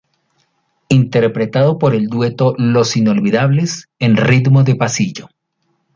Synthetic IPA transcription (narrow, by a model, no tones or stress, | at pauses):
int̪e̞ɾpɾe̞t̪aðo̞po̞ɾe̞ld̪we̞t̪o̞lo̞sino̞lβiðaβlesenrit̪moðe̞pasiʝo